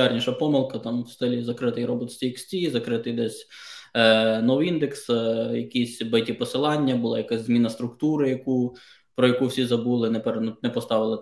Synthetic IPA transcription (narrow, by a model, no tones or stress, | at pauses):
ɑrnʲiʃɐpɔmɪlˠkɐt̪ɑmwst̪ɛlʲizɐkɾɪt̪ɪjɾɔbɪt̪sʲtʲiksʲtʲizɐkɾɪt̪ɪjd̪ɛsʲ | nɔʋind̪eksjɐkisʲbɐjtʲipɔsɪlˠɑnʲːɐbʊlˠɑjɐkasʲzmʲinɐst̪ɾʊkt̪uɾɪjɐku | pɾɔjɐkuwsʲizɐbulˠɪnɛpeɾnnɛpɔst̪ɑʋɪlˠɪ